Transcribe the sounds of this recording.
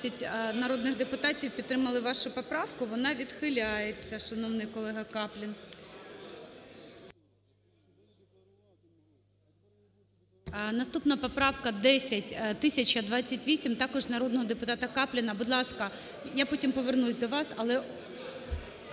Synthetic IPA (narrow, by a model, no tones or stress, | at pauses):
ɐtʲnɐɾod̪nɪɣd̪epʊt̪ɑtʲiwpʲit̪ːɾɪmɐlˠɪʋɑʃʊpɔpɾɑʋkʊʋɔnɑʋʲid̪xɪlʲajet͡sʲːɐʃɐnɔwnɪjkɔlˠɛɦɐkɑplʲɪn | nɐst̪upnɐpɔpɾɑwkɐd̪ɛsʲɐtʲt̪ɪsʲɐt͡ʃɐd̪ʋɑt͡sʲːɐtʲʋʲisʲimt̪ɑkɔʒnɐɾɔd̪nɔɦɔd̪epʊt̪ɑt̪ɐkɑplʲɪnɐbʊd̪lˠɑskɐ | japɔtʲimpɔʋernusʲd̪ɔʋɑsɐlˠɛ